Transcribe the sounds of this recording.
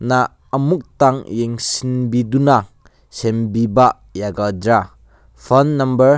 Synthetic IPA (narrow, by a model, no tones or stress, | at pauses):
naː | muk̚taŋjeŋsinbiduna | sembiba | jaɡadɾa | pʰɔnːɐmbɐɾ